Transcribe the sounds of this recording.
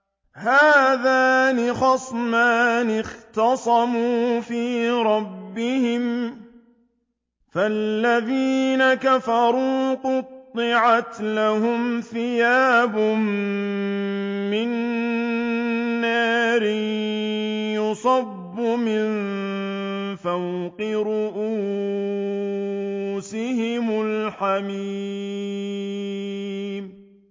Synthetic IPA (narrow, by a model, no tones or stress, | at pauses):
haːðaːnɪxɑsˤmaːnɪxt̪ɑsˤɑmuːfiːɾˤɑbːɪhɪm | falːaðiːnakafɑɾˤuːqʊt̪ˤːɪʕat̪lahʊmθɪjaːbʊm | ɪn | aːɾɪ | jʊsˤɑbːʊmɪn | fawqɪɾʊʔuː | sɪhɪmʊlħamiː | m